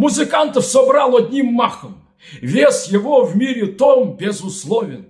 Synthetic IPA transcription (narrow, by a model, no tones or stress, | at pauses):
mʊzɨkant̪əfsɔbɾalˠɐd̪ʲnʲimːaxəm | vʲesjɪvovmʲiɾʲɪt̪ombʲɪzʊslˠovʲɪn